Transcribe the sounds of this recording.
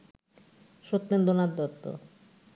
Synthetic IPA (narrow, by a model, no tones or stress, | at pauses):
ʃot̪ːend̪onad̪d̪ɔt̪ːo̰